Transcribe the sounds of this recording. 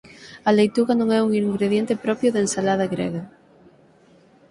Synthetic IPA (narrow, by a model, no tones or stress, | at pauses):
ɐlejt̪uɣɐnõŋɛuŋiŋɡɾeðjent̪ɪpɾɔpjʊðensalað̞ɐɣɾɛ̰ɣɐ